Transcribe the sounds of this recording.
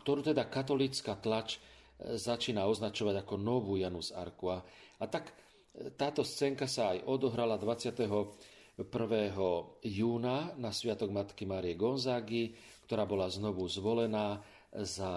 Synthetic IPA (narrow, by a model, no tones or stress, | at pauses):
kt̪ɔɾuːt̪ɛd̪akat̪ɔlit͡skaːt̪lat͡ʃ | zat͡ʃiːnaɔznat͡ʃɔʋaɟakɔnɔʋuːjanuza̰ɾkuaat̪ak | t̪aːt̪ɔst͡sɛːŋkasaajɔd̪ɔɦɾalad̪ʋat͡sɪat̪ɛɦɔ | pr̩ʋɛːɦɔjuːnanasʋɪat̪ɔɡmat̪kimaːɾijɛɡɔnzaːɡi | kt̪ɔɾaːbɔlaznɔʋuzʋɔlɛnaː | za